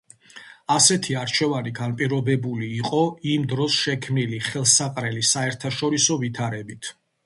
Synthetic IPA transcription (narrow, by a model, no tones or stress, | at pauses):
asɛt̪ʰiaɾt͡ʃʰɛvaniɡanpʼiɾɔbɛbuliːqʼɔimd̪ɾɔsʃɛkʰmniliχɛlˠsaqʼɾɛlisaɛɾt̪ʰaʃɔɾisɔvit̪ʰaɾɛbit̪ʰ